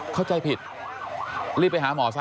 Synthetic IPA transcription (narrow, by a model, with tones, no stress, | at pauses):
kʰa˥˩wt͡ɕa˧jpʰi˨˩t̪̚ | liː˥˩pa˧jɦaː˩˦mɔː˩˦sa˧˥